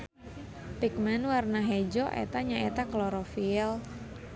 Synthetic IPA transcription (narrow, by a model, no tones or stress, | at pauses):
pik̚mɛnwarnaɦɛd͡ʒɔʔɛ̰t̪aɲaʔɛt̪aklɔɾɔfiɛl